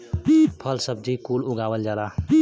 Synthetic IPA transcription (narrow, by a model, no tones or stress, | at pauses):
pʰəlsəb̚d͡ʒʱikuːlʊɡaːwəld͡ʒaːd̪a